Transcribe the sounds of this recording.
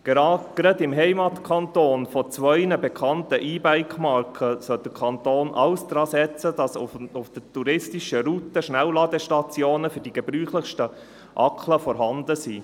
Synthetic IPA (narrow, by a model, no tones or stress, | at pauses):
ɡ̥eɾɑdɡ̥ɾɛdɪmɦɛɪmɑt̪kʰɑnt̪oːnfɔt͡sʋœʏnəbɛkʰɑnt̪əʔiːbæɪkχmɑrkʰəsœld̥əkʰɑnt̪oːnʔɑ̰wsd̥̪ɾɑːsɛt͡sədɑsʊʊfd̥ətuɾɪstiʃəɾut̪əʃnæwlɑd̪əʃtɑt͡sjoːnəfʏɾd̥iɡ̥ɛbɾyːχləχʃtə | ʔɑkχləfɔɾɦɑnd̪əsiː